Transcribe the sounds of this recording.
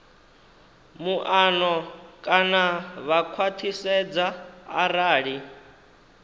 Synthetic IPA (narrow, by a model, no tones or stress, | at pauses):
muʔanɔkʼanaβakʰwat̪ʰisɛd͡za̰ːɾaːɺi